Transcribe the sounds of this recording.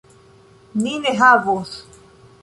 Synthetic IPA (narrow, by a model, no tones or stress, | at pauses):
ninɛɦavos